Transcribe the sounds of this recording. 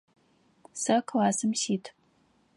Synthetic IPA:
sɐkʰlaːsɨmsiːtʰ

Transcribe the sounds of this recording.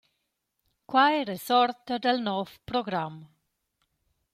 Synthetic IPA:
kwajɾesɔɾt̪ad̪elnɔfpɾoɡɾam

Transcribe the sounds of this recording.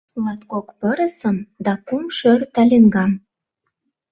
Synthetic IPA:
ulɑt̪kokpəɾəsəmd̪ɑkumʃørt̪ɑlʲeŋɡɑm

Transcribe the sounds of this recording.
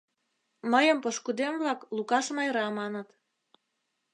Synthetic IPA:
məjəmpoʃkud̪emβlɑklukɑʃmɑjɾɑmɑnət̪

